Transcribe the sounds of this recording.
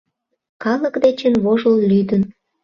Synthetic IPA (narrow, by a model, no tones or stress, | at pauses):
kɑləkd̪et͡ɕənβoʒəllyd̪ən